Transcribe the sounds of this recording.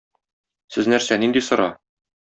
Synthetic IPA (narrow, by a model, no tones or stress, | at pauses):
sɘznæɾsænind̪isɤ̆ɾɑ̰